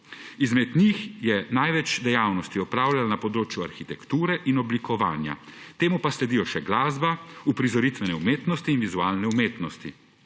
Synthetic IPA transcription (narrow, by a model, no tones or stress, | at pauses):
izmɛd̪nixjɛnajʋɛt͡ʃd̪ɛjaːwnɔst̪iɔpɾaːwlalanapɔd̪ɾoːt͡ʃjuaɾxit̪ɛkt̪uːɾɛʔinɔblikɔʋaːnja̰t̪eːmupaslɛd̪ijɔʃɛɡlaːzbaupɾizɔɾit̪ʋɛnɛumeːt̪nɔst̪iːnʋizuaːlnɛumeːt̪nɔst̪i